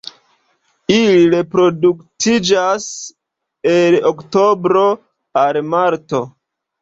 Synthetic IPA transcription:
iliɾe̞pɾo̞duktid͡ʒas | eloktobɾo̞ | almaɾto̞

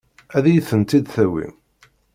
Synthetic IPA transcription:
æðjθənt̪id̪θæwḭ

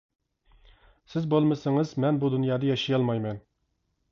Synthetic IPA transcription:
sɪzbolˠmɨsɪŋɨzmɛnbud̪unjɑːd̪ɑjɑʃijɑlˠmɑjmɛn

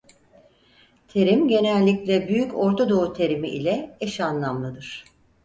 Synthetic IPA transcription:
t̪ʰe̞ɾimɟe̞nɛlʲːiclɛbyjyco̞ɾt̪ʰod̪o̞ut̪ʰe̞ɾimiʔilʲɛɛʃanlˠamlˠɯd̪ɯɾ̥

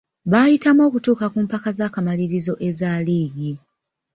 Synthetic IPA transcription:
βaːjitamo̞ːkutuːkakumpakazaːkamaliɾizo̞ʔe̞zaliːɡi

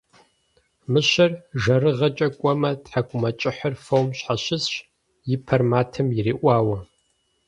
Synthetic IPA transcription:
mɨɕɐrʒɐɾɨʁɐt͡ʃʼɐkʷʼɔmɐtħakʷʼʊmɐt͡ʃʼɪħɐrfowmɕħaɕɪzɕ | jɪpʰɐrmaːtʰɨmjɪɾiːʔʷaːwɐ

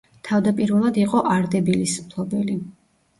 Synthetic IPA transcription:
t̪ʰavd̪apʼiɾvɛlˠad̪iqʼɔʔaɾd̪ɛbilismpʰlˠɔbɛli

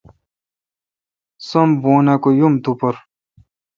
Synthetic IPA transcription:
sɐmboːnakojumt̪upɐɾ

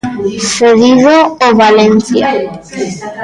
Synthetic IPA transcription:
seðiðooβalenθja̰

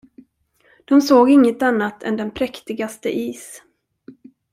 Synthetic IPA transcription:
d̪̥ɔmsoːɡɪŋːət̪anːat̪ʰɛ̰nd̪ɛnpʰɾɛkt̪ɪɡast̪ə̰ʔiːs

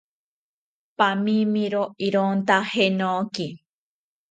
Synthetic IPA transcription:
pamimiɾoʔiɾont̪ahenoki

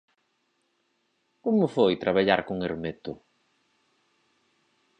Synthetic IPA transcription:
komʊfojt̪ɾaβaʎaɾkʊŋeɾmet̪ʊ

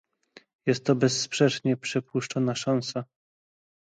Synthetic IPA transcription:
jɛst̪ːɔbɛsːpʂɛt͡ʂɲɛpʂɛpwuʂt͡ʂɔnaʂansa

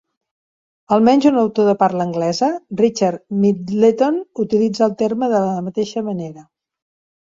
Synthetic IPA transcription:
əlˠmɛnʲzunəwt̪oðəpaɾləŋɡlɛzərit͡ʃaɾmit̪let̪onut̪ilid͡zəːlˠt̪eɾməðələmət̪eʃəməneɾə

